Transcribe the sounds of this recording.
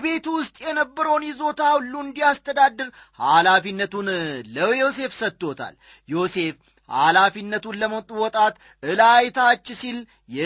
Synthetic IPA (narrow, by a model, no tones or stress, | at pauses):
be̞t̪wʊst̪ʼjɛnəbːəɾəwnjɛzo̞t̪ʰawʊlːuɨnd̪ijast̪ʰəd̪ad̪ːɨɾ | halafinːət̪unləjo̞s̬e̞fsət̪ːo̞t̪ʰa̰l | jo̞se̞f | ha̰lafinːət̪unləmət̪ʼuwɔt̪ʼat̪ | ɨlajt̪ʰat͡ʃːsil | jɛ